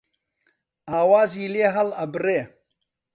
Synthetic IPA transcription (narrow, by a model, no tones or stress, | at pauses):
aːwaːziːleːɦɐlɐbɾeː